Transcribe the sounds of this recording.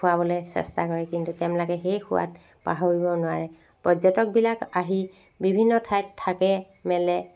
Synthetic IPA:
ʊabɔlɛsɛ̰stakɔɹɛkintutɛmlɔkɛxejxʊ̰wa̰t̚ | pa̰ɦoɹibɔnʊwaɹɛ | pɹɔzɔtɔk̚bilakaɦi | bibʱinːɔtʰajtʰːakɛ | mɛlɛ

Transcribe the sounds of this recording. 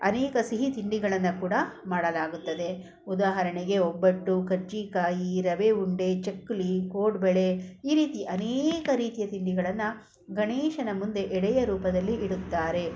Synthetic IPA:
ɐnɛːkɐsiɦit̪iɳɖiɡɐɭɐnːɐkuːɽɐmaːɽɐlaːɡut̪ːɐd̪e̞ | ud̪aːɦɐɾɐɳeɡe̞obːɐɖːukɐɾt͡ʃiːkaːjiɾɐʋeuɳɖe̞t͡ʃekːlikoːɖbɛɭe̞iːɾiːt̪iʔɐneːkɐɾiːt̪ijɐt̪iɳɖiɡɐɭɐnːɐ | ɡɐɳeːʃɐnɐmund̪e̞ʔɛɽɛjɐɾuːpɐd̪ɐlːiiɽut̪ːaːɾe̞

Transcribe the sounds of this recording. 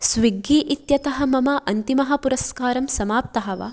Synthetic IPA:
sʋiɡːiːʔit̪jɐt̪ɐɦɐmɐmɐʔɐnt̪imɐɦɐpuɾɐskaːɾɐmsɐmaːp̚t̪ɐɦɐʋɐ̰

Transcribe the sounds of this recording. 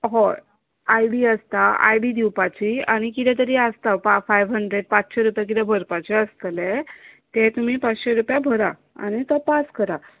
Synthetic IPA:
ɦo | ajɽiəst̪aa̰jɽid̪iwpat͡ɕia̰ɽ̃ikit̪ɛ̃t̪̬əɾiast̪apafajʋɦəɳɖɾeɽpat͡sɕeɾupjakit̪ɛbʱəɾpat͡ɕɛəst̪let̪ɛt̪um̤iːpat͡sɕeɾupjabʱəɾa̰ | a̰ñit̪ɔpaskəɾa

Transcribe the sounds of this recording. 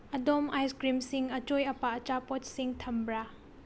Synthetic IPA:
ɐdomajskɾimsiŋɐt͡ʃojɐpaɐt͡ʃapot̚siŋtʰɐmbɾa

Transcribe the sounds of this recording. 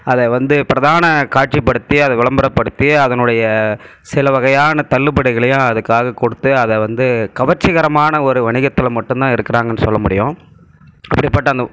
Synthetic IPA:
ɐðɛʋɐnd̪ɯpɪɾɐðaːnɐkaːʈ̚t͡ʃipːɐɽɯt̪ːɪjɐɐðɛʋɪɭɐmbɐɾɐpːɐɽɯt̪ːɪɐðɐnɯɽɐjɐ | sɪlɐʋɐɣɐjaːnɐt̪ɐɭːɯpɐɽɪɣɐɭɐjʊ̃ɐðɯkːaːɣɐkɔɽɯt̪ːɯɐðɛʋɐnd̪ɯkɐʋɐt͡ʃːɪɣɐɾɐmaːnɐɔɾɯʋɐɳɪɣɐt̪ːɪlmɐʈːɯ̃nt̪ãːɪɾɯkːɐɾaːŋɡɐnːɯsɔ̰lːɐmʊɽɪjʊ̃ | ɐpːɐɽɪpːɐʈːɐnd̪ɐ

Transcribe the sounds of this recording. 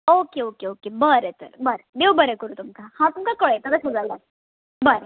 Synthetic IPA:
okeokeokebəɾet̪ə̰ɾbəɾed̪ewbəɾekəɾuːt̪umkahãt̪umkakəɭet̪əd̪asud͡zalda | bəɾe

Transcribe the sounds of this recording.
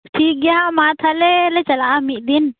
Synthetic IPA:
ʈʰiːk̚ɡjamaːt̪ʰalelet͡ʃəlamiʔd̪in

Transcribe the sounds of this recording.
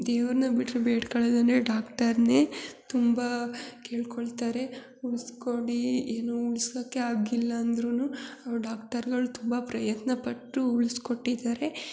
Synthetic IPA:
d̪eːʋɐɾnɐbiʈɾubeːʈkɐɭed̪ɐneɖaːkʈɐɾne̞ːt̪umbakeːɭkoɭt̪aːɾe̞ | uɭskoɽieːnuuɭsoːkːeaːɡilːɐːnd̪ɾunuɐʋɖaːkʈɐɾɡɐɭut̪umbɐpɾɐjɐt̪nɐpɐʈːuuɭsko̞ʈːid̪aːɾe̞

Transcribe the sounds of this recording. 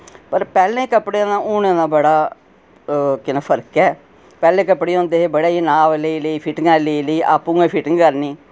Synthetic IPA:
pəɾpɛːlẽːkəpɽeːnãːuːnẽːnãːbəɽaː | kɪnãːpʰəɾkɛː | pɛːlẽːkəpɽeːõːnd̪eːɦebəɽaːiːnaːʋleiːləiːpʰɪʈɪŋɡãːleiːləiːʔa̰ːpːũːẽːpʰɪʈɪŋɡkəɾniː

